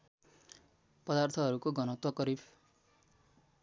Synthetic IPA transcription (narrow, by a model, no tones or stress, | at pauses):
pʌd̪art̪ʰʌɦʌɾukoɡʌnʌt̪wʌkʌɾib